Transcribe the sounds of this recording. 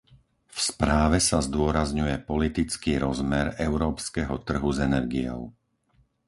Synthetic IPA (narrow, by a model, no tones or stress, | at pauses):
fspɾaːʋɛsazd̪ʊɔɾazɲujɛpɔlit̪it͡skiːɾɔzmɛɾɛʊɾɔːpskɛɦɔt̪r̩ɦuzɛnɛɾɡijɔ̰ʊ